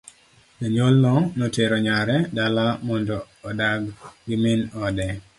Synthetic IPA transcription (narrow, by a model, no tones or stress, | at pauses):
naɲolːɔnoteɾɔɲaɾɛdalamɔndɔː | daɡɡɪmɪnɔdɛ